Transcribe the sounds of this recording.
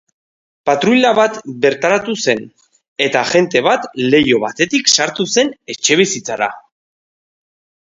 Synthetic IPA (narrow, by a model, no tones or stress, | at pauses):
pat̪ɾujlaβat̪be̞ɾt̪aɾat̪use̞n | e̞t̪aʝe̞nt̪e̞β̞at̪le̞jo̞β̞at̪e̞t̪iksaɾt̪use̞ne̞t͡ʃe̞β̞isit͡saɾa̰